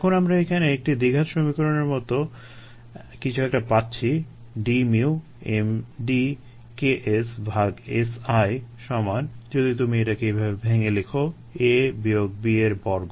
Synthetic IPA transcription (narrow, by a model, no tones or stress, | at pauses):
kʰonamɾaekʰaneek̚ʈid̪iɡʱaʃɾomikoɾoneɾmɔt̪o | kit͡ɕʰuɛk̚ʈapatːɕʰi | ɖimiu | emɖi | keʔesbʱaɡesajʃɔmand͡ʑod̪it̪umieʈakeejbʱabebʱeŋelekʰo | ebioɡ̚bieɾbɔɾɡo